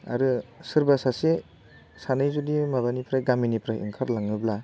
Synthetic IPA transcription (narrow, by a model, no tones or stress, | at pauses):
a̰ɾɯsɯɾbasase | sanɯjzudimaβanipʰɾajɡaminipʰɾajʔḭŋkʰaɾlaŋɯbla